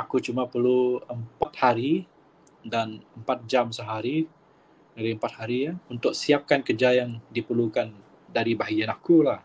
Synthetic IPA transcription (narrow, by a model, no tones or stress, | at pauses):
akut͡ʃumapərluəmpat̪̚haɾi | danəmpat̪̚d͡ʒamsəɦaɾi | daɾiəmpat̪̚haɾijaunt̪ʊk̚siap̚kankərd͡ʒajaŋdipərlukan | daɾibaɦajanakulah